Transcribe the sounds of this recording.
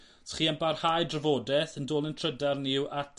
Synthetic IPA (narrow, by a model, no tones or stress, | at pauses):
tʰə̥χiːanbarhajdrəvoːdɛθəndoːlˠəntʰrədarnɪwʔat